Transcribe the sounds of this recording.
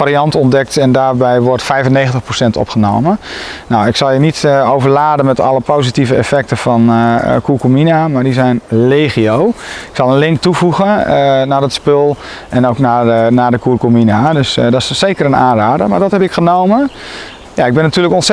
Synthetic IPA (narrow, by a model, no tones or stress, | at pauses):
aɾiɑntɔndɛk̚tɛndaːrbɛjʋɔrtfɛjvənːexəntəχprosɛntɔ̰pχəno̰wmənnawɪksɑlˠjənitowvəɹlaːdənmɛtɑ̰lˠəpʰowzitivəɛfɛk̚təfɔnkukominamaɹdizɛjnleχiowɪksɑlˠənlɪŋk̚tuvuɣənaːdɔtspølˠ | ʔɛnowknanaːdəkukominadøsdɔssejkəɾəna̰ːnraːdəmaːɹdɔtɦɛpɪkχənowmən | jaɪɡ̚bɛnːatyːɹləkɔns